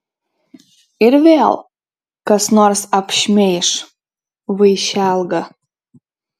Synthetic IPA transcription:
irvea̰lˠ | kasnorsapʃmʲejʂ | vɨjʃalˠɡɐ

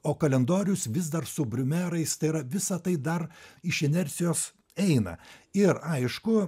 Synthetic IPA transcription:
oːkɐlʲɛnd̪oːɾʲʊsʋʲɪzd̪ɐrsʊbʲɾʲʊmʲæɾɐɪst̪ɐɪiɾɐʋʲɪsɐt̪ɐɪd̪ɐɾɪʃɛnʲɛɾʲt̪sʲɪjoːs | ɛɪnɐ̰ɪɾɐɪʃkʊ

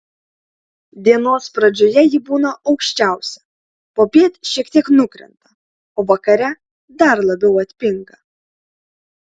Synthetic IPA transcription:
d̪ʲiɛnoːspɾɐd͡ʒʲojɛjɪbuːnɐʔɒʊkʃʲt͡ʃʲæˑʊsʲɛ | poːpʲiːt̪ʲʃʲiɛkt̪ʲiɛknʊkɾʲɛ̰nt̪ɐ | oːʋɐkɐɾʲɛ | d̪ɐɾlˠɐbʲɛʊɐt̪ʲpʲɪŋɡɐ

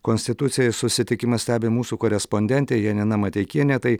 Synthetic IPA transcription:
koːnʲsʲt̪ʲɪt̪ʊt̪sʲɪjɛsʊsʲɪt̪ʲɪkʲɪmɐsʲt̪ʲæːbʲeːmuːsuːkoːɾʲɛsponʲd̪ʲɛnʲt̪ʲeːjiɛnʲɛnɐmɐt̪ʲɛɪkʲiɛnʲɛt̪ɐɪ

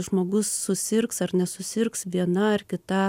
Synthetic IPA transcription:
ʒmoːɡʊsːʊsʲɪrksɐrnʲɛsʊsʲɪrksʋʲiɛnɐɐrkʲɪt̪ɑː

